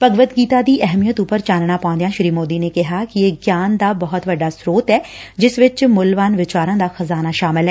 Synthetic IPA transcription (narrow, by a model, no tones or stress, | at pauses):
pəɡʋəd̪ɡiːt̪aːd̪iːʔɛɦmijət̪ʊpəɾt͡ʃaːnɳaːpãʊ̃nd̪ejãːʃɾiːmoːd̪iːneːkɪɦaːkɪeːɡjaːnd̪aːbəɦɔt̪ʋəɖːaːsɾoːt̪ɛːd͡ʒɪsʋɪt͡ʃmʊlʋaːnʋɪt͡ʃaːɾãːd̪aːxəzaːnaːʃaːmɪlɦɛː